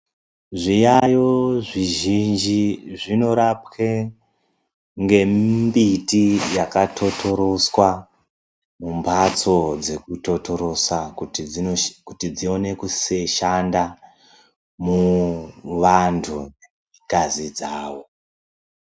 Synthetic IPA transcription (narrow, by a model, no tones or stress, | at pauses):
ʐijajoʐiʒind͡ʒiʐino̞ɾapke | ŋɡe̞mbitijakatʰo̞tʰo̞ɾo̞swa | mumbat͡so̞d͡ze̞kuto̞to̞ɾo̞sa | kutid͡zio̞ne̞kuseʃanda | mu | ʋantʰune | ikazid͡zaːʋo̞